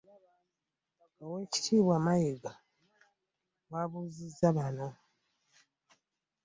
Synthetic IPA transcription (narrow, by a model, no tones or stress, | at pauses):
oweːci̥tʰiːβwaːmajeɡa | waβuzizaβano